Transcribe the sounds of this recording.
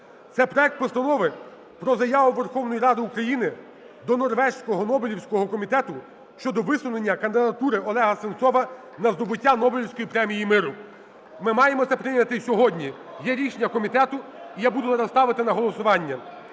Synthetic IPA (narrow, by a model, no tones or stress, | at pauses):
t̪sɛpɾɔɛk̚t̪̚pɔst̪ɐnɔʋɪ | pɾɔzɐjɑʋʊʋerxɔwnɔjiɾɑd̪ɪukɾɐjinɪ | d̪ɔnɔrʋɛʃsʲkɔɦɔnɔbɪlʲiwsʲkɔɦɔkɔmʲit̪ɛt̪ʊ | ʃt͡ʃɔd̪ɔʋɪsʊnenʲːɐkɐnd̪ɪd̪ɐt̪uɾɪɔlˠɛɦɐsɪnt̪sɔʋɐ | nɐzd̪ɔbʊtʲːanɔbɪlʲiwsʲkɔjipɾɛmʲijimɪɾʊ | mɪmɑjemɔt̪sɛpɾɪnʲɐt̪ɪsʲɔɦɔdʲnʲi | jɛɾʲiʃenʲːɐkɔmʲit̪ɛt̪ʊijabud̪ʊɐnɐst̪ɑʋɪt̪ɪnɐɦɔlˠɔsʊʋɑnʲːɐ